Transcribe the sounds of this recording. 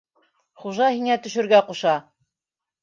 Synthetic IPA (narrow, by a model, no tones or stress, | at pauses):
χuʒɑhiŋæt̪ɵ̆ʃɵ̆ɾɡæquʃɑ